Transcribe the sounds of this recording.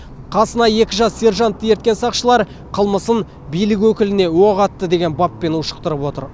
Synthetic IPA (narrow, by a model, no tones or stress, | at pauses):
qʰɑsənɑje̞kʲɪʒɑsːe̞ɾʒɑnt̪ʰːəje̞ɾt̪kʲe̞nsɑqʃəlˠɑɾ | qʰəlˠməsən | bijlɪk̬ʲwɵkʲɪlɪne̞wo̞ʁɑt̪ːəd̪e̞ɡʲenbɑpːe̞nəʃə̥q̚t̪əɾəpwo̞t̪əɾ